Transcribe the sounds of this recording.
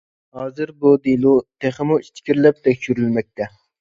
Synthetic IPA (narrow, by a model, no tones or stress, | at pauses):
hɑːzɨɾbud̪ilˠut̪ʰeχɪmuit͡ʃ̪ʰkʲʰiɾlɛp̚t̪ʰɛkʲʃyɾylmɛk̚ʲt̪ʰɛ